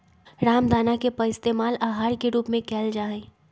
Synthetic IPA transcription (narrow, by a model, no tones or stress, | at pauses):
ɾaːmd̪ʱaːnakepɐɪst̪eːmaːlaːɦaːɾkeɾuːpmẽkɛːld͡ʒaːẽː